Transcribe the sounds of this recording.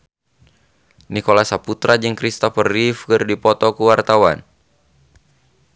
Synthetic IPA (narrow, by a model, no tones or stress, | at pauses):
nikɔlasaput̪ɾad͡ʒɨŋkɾist̪afərifkɨrdipɔt̪ɔkuwart̪awan